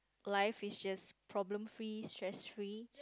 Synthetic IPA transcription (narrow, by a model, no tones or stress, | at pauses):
laɪfisd͡ʒaspʰɹɔblə̃mfɹistʰɹɛsfɹi